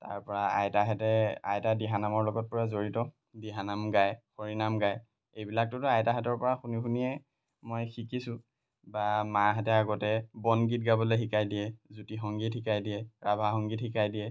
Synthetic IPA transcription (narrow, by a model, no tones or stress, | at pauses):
ta̰ɹpɔɹaa̰jtaɦɛtɛa̰jtadiɦanamɔɹlɔɡɔt̚pɔɹazoɹitɔ | diɦanamɡajxoɹinamɡaj | ejbilak̚tʊtʊajtaɦɛtɔɹpɔɹaxunixunijɛ | mojxikisʊ̃ | bamaɦɛtɛaɡɔtɛbɔnɡit̚ɡabɔlexikajdijɛzutixɔŋɡithikajdijɛɹabʱaɦɔŋɡithikajdijɛ